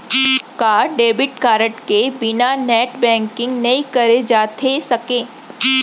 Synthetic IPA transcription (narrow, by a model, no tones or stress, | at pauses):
kaːɾɖeːbɪʈ̚kaːɾəʈkebɪnanɛːʈbɛ̃ːŋkɪ̃ŋɡnɐĩkɐɾed͡ʒaːt̪ʰesɐkẽː